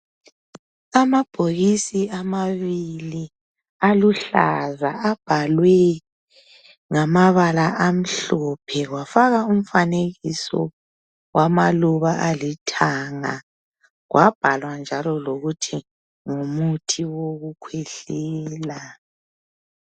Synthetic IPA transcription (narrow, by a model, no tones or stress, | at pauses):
amab̥ʱoɣisiamaβili | aluɬa̰zaab̥ʱalwɛ | ŋamaβalaʔam̩ɬɔpʰɛɣwafaɣaum̩faneɣisɔ̰ | wʔamaluβaʔalitʰaŋa̰ | ɣwʔab̥ʱalwand͡ʒʱalɔloɣutʰi | ŋumutʰiwoɣukʰwɛɬɛːla